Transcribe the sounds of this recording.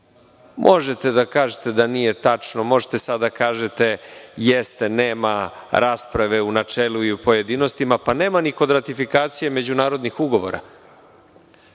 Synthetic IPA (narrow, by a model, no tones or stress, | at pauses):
mʔo̞ʒet̪e̞d̪akaːʒet̪e̞d̪anije̞t̪at͡ʂnomo̞ʒe̥t̪e̞sad̪akaːʒet̪e̞jest̪e̞neːmaɾʔaːspɾaʋe̞unat͡ʂeːluiupo̞je̞d̪ino̞st̪imapaneːmaniko̞d̪ɾat̪ifikaːt̪sije̞me̞d͡ʑunaːɾo̞d̪nixuɡo̞ʋo̰ɾa̰